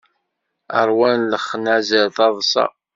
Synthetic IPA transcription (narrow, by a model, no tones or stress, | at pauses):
ə̰ɾˤwænləχːnæzəlθɑðˤsɑ̰